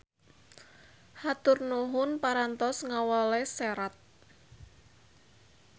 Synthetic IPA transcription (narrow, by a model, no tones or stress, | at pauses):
hat̪ʊrnuɦʊnpaɾant̪ɔsŋawɔleseɾat̪̚